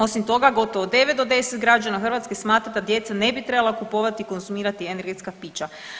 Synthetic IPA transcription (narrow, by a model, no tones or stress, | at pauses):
o̞simt̪o̞ɡaɡo̞t̪o̞ʋod̪e̞ʋet̪d̪o̞d̪e̞set̪ɡɾad͡ʑanaxr̩ʋat̪ske̞smaːt̪ɾad̪ad̪je̞t̪sane̞bit̪ɾe̞balˠakupo̞ʋat̪iko̞nzumiːɾat̪ieneɾɡe̞t̪skapiːt͡ɕa